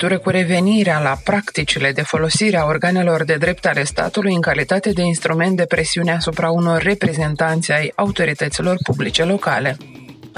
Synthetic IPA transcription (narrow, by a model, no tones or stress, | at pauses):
t̪uɾəkuɾe̞ve̞niɾealapɾakt̪it͡ʃile̞d̪e̞fo̞lo̞siɾeao̞rɡane̞lo̞rd̪e̞d̪ɾe̞p̚t̪ale̞st̪a̰t̪ulujɨŋkalit̪at̪e̞d̪e̞inst̪ɾume̞nt̪̚d̪e̞pɾe̞siune̞asupɾauno̞rʲːe̞pɾe̞ze̞nt̪ant̪sʲajaut̪o̞ɾit̪ət̪silo̞rpublit͡ʃe̞lo̞kale̞